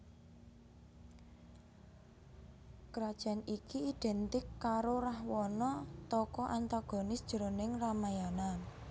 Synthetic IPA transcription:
kɾad̥ʒ̥a̤nikiiɖ̪̥ɛ̤nt̪ɪkːaɾorahwɔnɔt̪ɔkɔʔant̪aɡ̥ɔ̤nɪsd̥ʒ̥əɾonɪŋramajana

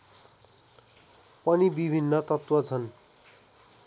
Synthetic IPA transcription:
pʌnibibʱinːʌt̪ʌt̪wʌt͡sʰʌn

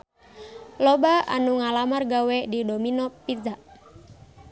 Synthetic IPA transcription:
lɔbaa̰nuŋalamarɡawɛdidominɔpid͡ʒaʔ

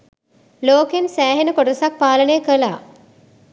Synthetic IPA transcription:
loːkensæːɦenəkoʈəsak̚paːlənejəkəla̰ː

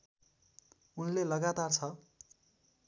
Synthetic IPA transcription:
unlelʌɡat̪art͡sʰʌ

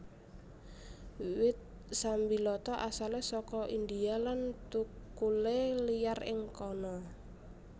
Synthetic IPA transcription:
wɪt̪̚ | sambilɔt̪ɔʔasalesɔkɔʔind̪ialant̪ukulelijarɪŋkɔnɔ

